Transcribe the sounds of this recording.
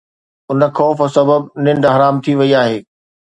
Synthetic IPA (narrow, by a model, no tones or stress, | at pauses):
ʊnə̆xɔːfsɐbəbnɪ̃ɳɖɦɐɾaːmt̪ʰiʋɐiaːɦeː